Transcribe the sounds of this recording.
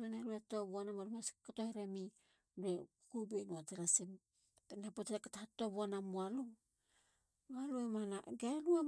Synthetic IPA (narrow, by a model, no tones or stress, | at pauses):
manaɾuetobuanamaɾumaskatoheɾemi | dekkubenuateɾasem | penapotekatahatobuanamualu | βaloemanaɡalua